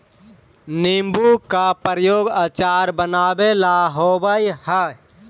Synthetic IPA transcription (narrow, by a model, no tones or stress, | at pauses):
nimbukapəɾjoːɡaːt͡ʃaːɾbənaːbelaɦoːbəjhə